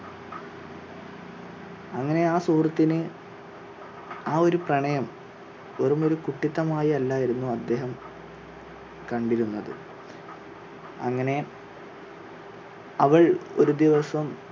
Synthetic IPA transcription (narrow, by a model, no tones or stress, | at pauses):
ɐŋːɐne̞aːsuːrɐt̪ːinɨ | aːo̞ɾuprɐɳɐjɐm | oɾumo̞ɾukuʈːit̪ːɐmaːjɐlːaːjiɾunːuɐd̪ːe̞ːɦɐm | kɐɳɖiɾunːɐðɨ̰ | ɐ̰ŋːɐne̞ | ɐʋɐɭo̞̰ɾud̪iʋɐsɐm